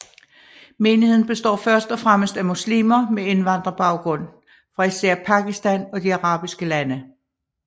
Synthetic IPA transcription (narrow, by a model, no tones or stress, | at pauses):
me̝ːnihe̝n̩b̥e̝sd̥ɒ̰ːfɶɐsd̥ɒfʁaməsd̥æmuslḭːmɐmee̝nʋɑ̈n̰d̥ʁɐb̥ɑ̈ʊɡ̥ʁɔ̽n̰ | fʁɑ̈isæɐ̰pʰɑ̈ɡ̥isd̥ænɒ̽d̥iɑ̈ʁɑ̰̈ːb̥isɡ̥əlænə